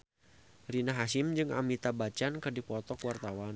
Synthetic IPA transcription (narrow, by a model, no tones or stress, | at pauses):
rinaɦaʃɪmd͡ʒɨŋa̰mit̪abat͡ʃankɨrdipɔt̪ɔkwart̪awan